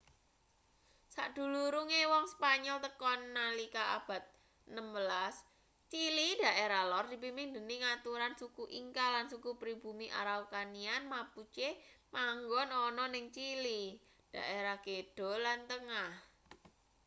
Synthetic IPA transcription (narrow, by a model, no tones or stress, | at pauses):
sa̰ʔd̪̥ṳluɾuŋewɔŋspaɲɔlt̪əkɔnːalikaa̰b̥ä̤t̪̚ | nəmbəlas | t͡ʃilid̥a̤ʔeɾalɔrd̪̥i̤p̬imiŋnd̪ə̤niŋat̪uɾansukuʔiŋkalansukupɾib̥ṳmiʔa̰ɾawkanianmaput͡ʃemaŋɡɔnɔnɔnɪŋt͡ʃili | d̥a̤ʔeɾaked̥ɔ̤lant̪əŋah